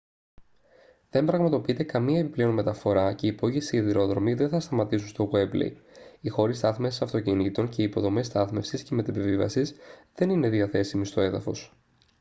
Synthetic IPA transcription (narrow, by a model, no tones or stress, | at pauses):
ðe̞mbɾɐɣmɐt̪o̞piit̪e̞kɐmiɐepiple̞onme̞t̪ɐfo̞ɾɐce̞ipo̞ʝesiːðiɾo̞ðɾo̞miðe̞nθɐst̪ɐmɐt̪isun̩st̪o̞ɣe̞blḛjixo̞ɾist̪ɐθmesi̥sɐft̪o̞cinit̪o̞ɲce̞iːpo̞ðo̞me̞st̪ɐθme̞fsisceme̞t̪epivivɐ̰sisðe̞nine̞ðiɐθe̞simist̪o̞e̞ðɐfo̞s